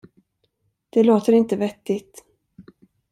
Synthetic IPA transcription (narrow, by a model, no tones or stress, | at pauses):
d̪̥ɛloːt̪əɾɪnt̪əvɛt̪ːɪt̪